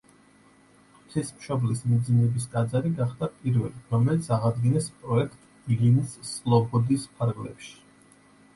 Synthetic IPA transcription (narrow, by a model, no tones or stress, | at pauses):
t̪ʰismʃɔblismid̪zinɛbiskʼad̪zaɾiɡaχd̪apʼiɾvɛ̰liɾɔmɛlit̪sʰaʁad̪ɡinɛspʼɾɔɛkʰt̪ʼ | linsːlˠɔbɔd̪ispʰaɾɡlɛ̰pʃi̥